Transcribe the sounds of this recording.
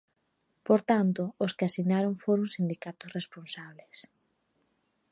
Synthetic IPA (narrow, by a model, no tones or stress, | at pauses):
poɾt̪ant̪ʊːskɪasiɣnaɾoŋfoɾʊŋsind̪ikat̪ʊsresponsaβles